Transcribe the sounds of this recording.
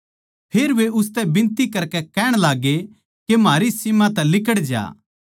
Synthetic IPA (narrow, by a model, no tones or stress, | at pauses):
pʰeːɾʋeʊs̬t̪ɛbɪ̃nt̪ikɐɾkɛkɛːɽ̃laːɡe | kemaːɾisɪmãt̪ɛ̃lɪkəɽd͡ʒa̰ː